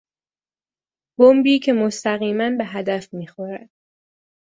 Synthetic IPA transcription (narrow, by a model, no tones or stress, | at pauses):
b̥ombiːcʰe̞mo̞st̪æɣiːmænbe̞ɦæd̪æfmiːxoɾæd̪̥̚